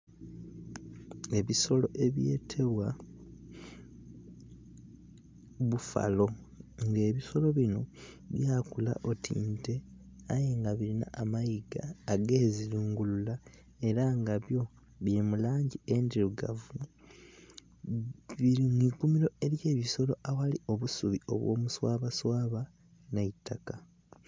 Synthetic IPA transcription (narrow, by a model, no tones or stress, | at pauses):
e̞βiso̞lo̞ʔe̞βje̞̰ːtʰe̞βwa | βufa̰lo̞ | ŋɡe̞ːβiso̞lo̞βino̞ | βjaːkula̰ʔo̞tʰḭːnte̞ | ajeŋɡaβiɾina̰ʔamajiɡaːɡe̞ːziɾuːŋɡulula | e̞ɾaŋɡaβjo̞ | βjemulaːɲɟie̞ndiɾuɡa̰vu | βiimwikumiɾo̞e̞ɾje̞ːβiso̞lo̞̰ʔawalio̞βusuβio̞̰βwo̞̰ːmuswaːβaswaːβa | naitːaka